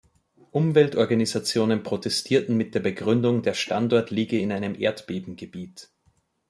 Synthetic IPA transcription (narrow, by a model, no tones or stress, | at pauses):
ʔʊmvɛltʔɔɐɡanizat͡sjoːnənpʁ̥otʰɛstʰiːɐtn̩mɪt̚d̥eːɐbəɡʁʏndʊŋdeːɐʃtantɔɐtʰliːɡəɪnaɪnəmʔḛːɐtb̥eːbm̩ɡəbiːt